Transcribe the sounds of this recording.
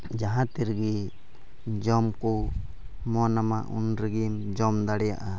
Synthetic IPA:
d͡ʒaɦãt̪iɾɡi | d͡ʒɔmku | mɔnamaʔṵnɾiɡimd͡ʒɔmd̪aɽɛja̰ʔa

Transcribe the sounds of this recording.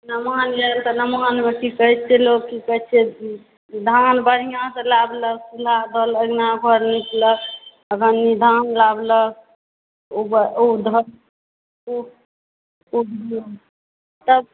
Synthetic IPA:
nəmanjɛlt̪ənəmanmekikəɦt͡ʃʰelokikət͡ʃʰe | d̪ʱanbəɽ̤ijãsə̃labləksulaɦd̪ʱələɡnabʱəɾnikʰlək | əɡənːid̪ʱanlablək̚ | obəod̪ʱəl | o | ubl | t̪əb

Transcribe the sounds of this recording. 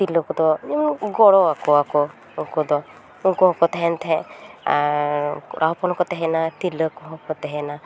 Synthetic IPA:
t̪ilɔkɔd̪ɔiɡɔɽɔakɔakɔ | ukɔd̪ɔ | ukɔɦɔkɔt̪ɛɦɛnt̪ʰɛ̃ | ɾʔaɦpɔnɔkɔt̪ɛɦɛnat̪iləkɔɦɔkɔt̪ɛɦɛna

